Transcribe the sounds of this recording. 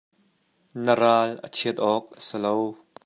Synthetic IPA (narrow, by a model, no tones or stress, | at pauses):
nəɾaːlʔə̰t͡sʰiət̪̚ʔɔːk̚ʔə̥sɪlow